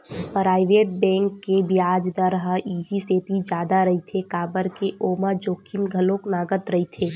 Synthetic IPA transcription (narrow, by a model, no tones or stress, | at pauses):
pɾaːɪʋeːʈ̚bɛ̃ːŋkːebiaːd͡ʒd̪əɾɦaiːɦiseːt̪id͡ʒaːd̪aɾɐɦit̪ʰekaːbəɾkeʔoːmad͡ʒoːkʰimɡʱɐlõknaːɡət̪ɾɐɦit̪ʰeː